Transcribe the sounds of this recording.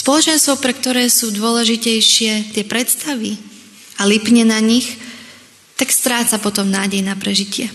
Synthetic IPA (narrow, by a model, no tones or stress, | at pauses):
spɔlɔt͡ʃɛnst̪ʋɔʊpɾɛk̚t̪ɔɾɛːsuːd̪ʊɔlɛʒicɛjʃɪɛt̪ɪɛpɾɛt̪st̪aʋi | alipɲɛnaɲix | t̪akst̪ɾaːt͡sapɔt̪ɔmnaːɟɛjnapɾɛʒicɪɛ